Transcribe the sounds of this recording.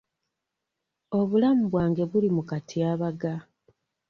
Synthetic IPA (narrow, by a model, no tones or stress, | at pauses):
o̞βulamuβwaːŋɡe̞βulimukatʰiaːβaɡa